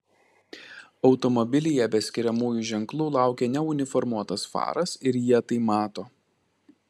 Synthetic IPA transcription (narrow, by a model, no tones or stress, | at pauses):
ɒʊt̪ɔmɔbʲɪlʲɪjɛbʲɛsʲkʲɪɾʲɛmuːjuʒʲɛŋklˠuːlˠɑˑʊkʲeːnʲɛʊnʲɪfɔɾmuɔt̪ɐsfɑ̰ːɾɐsɪɾjiɛt̪ɐɪmɑːt̪oː